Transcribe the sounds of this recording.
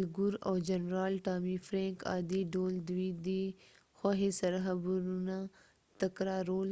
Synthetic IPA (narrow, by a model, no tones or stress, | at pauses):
lɡʊɾoːd͡ʒɐnɾaːlʈaːmiːfɾẽːŋka̰ːd̪iːɖoːld̪wiːd̪i | xwaːɦesɐɾɦɐbuɾuna | t̪ɐkɾaːɾoːl